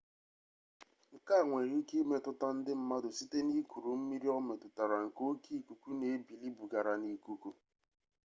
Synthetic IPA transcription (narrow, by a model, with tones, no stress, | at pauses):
ŋ̩˨ka˦˨ŋʷe˨ɾi˦ki˦me˨tʊ˦ta˦n̩˦dɪ˦m̩˨ma˦dʊ˨si˦te˦ni˦ku˨ɾu˨m̩˦mi˦ɾi˦ɔ˦me˨tʊ˨ta˨ɾa˨ŋ̩˨ko˦ki˦˨ku˨ku˦ne˨e˦bi˨li˦bu˨ɡa˨ɾa˨ni˦ku˦ku˦